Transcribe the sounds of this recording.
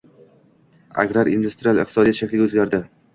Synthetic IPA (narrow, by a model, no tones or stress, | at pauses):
a̰ɡʲɾaɾind̪ust̪ɾialˠɪ̰q̚t̪ɪsɒd̪ijat̪ʃakʲlɪɡʲaɵzɡʲaɾd̪ɪ